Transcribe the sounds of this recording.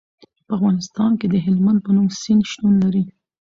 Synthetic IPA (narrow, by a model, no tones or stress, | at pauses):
pəafɣɑnɪst̪ɑnked̪əɦɪlmand̪̚pənumsinʃt̪unlaɾi